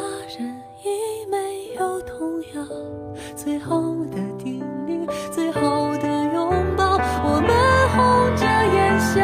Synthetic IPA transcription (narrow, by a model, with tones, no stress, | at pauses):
a˥ɻə˧˥n | jɛ˧˥me˧˥ɪjo˨˩ʊt̪ʰʊ˧˥ŋjɑ˧ | t͡swe˥ɪxo˥˧ʊd̪ə˩t̪i˧˥˩nli˧˥˩ŋt͡swe˥ɪxɑ˥˩ʊd̪ə˧jʊ˧˥ŋpɑ˥˩ʊwɔ˨˩mə˦xʊ˥t͡ɕɤ˥˧˥jɛ˧ɕj